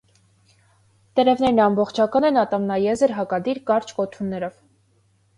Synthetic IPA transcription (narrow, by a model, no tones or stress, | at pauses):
t̪əɾɛvnɛɾnɑmbɔχt͡ʃʰɑkɑnɛnɑt̪ɑmnɑjɛzəɾɦɑkɑd̪iɾkɑɾt͡ʃʰkɔt̪ʰunːɛɾɔv